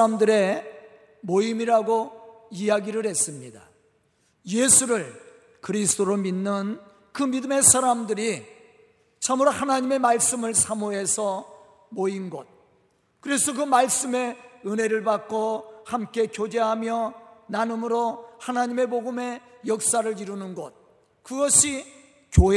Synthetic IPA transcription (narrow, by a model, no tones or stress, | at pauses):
amdɯɾe̞ | moimiɾaɡoijaɡiɾɯɾhe̞s͈ɯmɲida̰ | je̞sʰuɾɯɭ | kɯɾisʰd̥͈ʰoɾominːɯn | kɯmidɯme̞sʰaɾamdɯɾi | t͡ɕʰamuɾohanaɲime̞maɭs͈ɯmɯɭsʰamoe̞sʰʌ | moinɡʌt̚ | kɯɾe̞sʰʌkɯmaɭs͈ɯme̞ɯne̞ɾɯɭbak͈ohamk͈e̞kjod͡ʑe̞ɦamjʌnanɯmɯɾohanaɲime̞boɡɯme̞jʌk̚s͈aɾɯɾiɾunɯnɡʌt̚ | kɯɡʌɕʰi | kjoe